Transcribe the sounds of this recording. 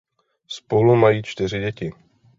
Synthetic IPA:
spolumajiːt͡ʃt̪ɪr̝ɪɟɛcɪ

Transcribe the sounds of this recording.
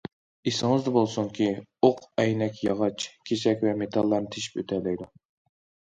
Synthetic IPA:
isɨŋɨzd̪ɨbolˠsuŋkʲioqɛjnɛkʲjɑʁɑt͡ʃʰkʲʰesɛkʲvɛmet̪ʰɑlˠːɑɾnɨt̪ʰeʃi̥pøt̪ʰɛlɛjd̪u

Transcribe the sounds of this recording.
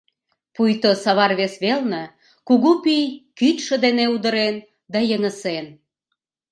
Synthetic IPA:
pujt̪osɑβɑrβesβelnə̆ | kuɣupijkyt̪ʃə̆d̪eneud̪ə̆ɾen | d̪ɑjəŋəsen

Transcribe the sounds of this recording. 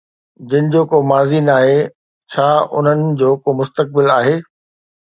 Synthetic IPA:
d͡ʑɐɪnɪ̆d͡ʑoːkoːmaːziːnaːɦe | t͡ɕʰaːʊ̰n̤ənɪ̆d͡ʑoːkoːmʊst̪ək̚bɪlaːɦeː

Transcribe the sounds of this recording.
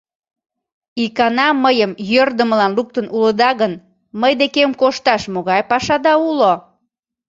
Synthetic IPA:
ikɑnɑməjəmjørd̪əməlɑnluk̚t̪ənuləd̪ɑɣən | məjd̪ekemkoʃt̪ɑʃmoɣɑjpɑʃɑd̪ɑulo

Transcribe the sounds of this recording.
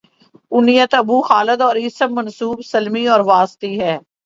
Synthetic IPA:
ʊnijət̪əbuːxaːləd̪ɔːɾɪsəmːənsuːbsəlmiɔːɾʋaːst̪iːɦɛː

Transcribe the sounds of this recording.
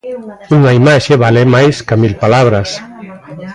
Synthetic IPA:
uŋaimaʃeβalemajskamilpalaβ̞ɾas

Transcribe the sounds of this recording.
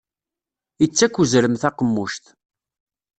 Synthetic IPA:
it͡sːækʷːuzɾəmθɑqəmːuʃt̪

